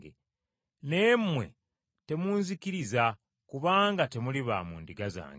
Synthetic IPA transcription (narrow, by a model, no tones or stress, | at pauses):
ɡe | ne̞mːwe̞̰ | te̞muːnzikiɾiza | kuβaːŋɡate̞muliβa̰mṵːndiɡaza̰ːŋɡe